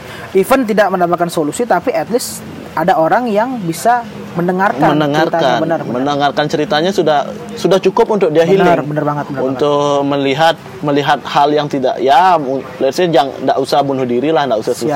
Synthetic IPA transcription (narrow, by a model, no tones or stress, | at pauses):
ifənt̪idaʔmənapakansolusit̪apiʔɛt̪lɪs | adaoɾaŋjaŋbisa | mənəŋarkamənnəŋarakanbənərmənəŋarkant͡ʃəɾit̪aɲasudah | sudaht͡ʃukʊpunt̪ʊk̚diaɦilnɪrbənərbaŋət̪̚bənəunt̪ʊkməliɦat̪̚məliɦat̪̚haljaŋt̪ida̰ʔjaulasad͡ʒaŋndaʔusabunʊhdiɾilahndaʔusasu